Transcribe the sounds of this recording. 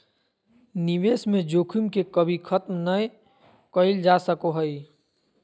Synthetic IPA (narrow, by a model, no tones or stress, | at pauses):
niʋeːsmẽd͡ʒoːkʰimkekəbʱikʰət̪mnəe | kəɪld͡ʒasəkoɦəi